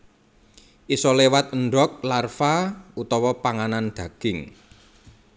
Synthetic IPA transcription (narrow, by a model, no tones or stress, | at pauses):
ʔisɔlewat̪̚əɳɖɔk̚larfaut̪ɔwɔpaŋanand̪̥ä̤ɡ̥ɪŋ